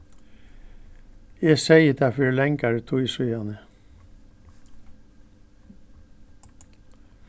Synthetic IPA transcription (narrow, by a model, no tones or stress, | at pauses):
jɛsɛjət̪ʰafɪɾlɛŋkaɾt̪ʰʊjsujanə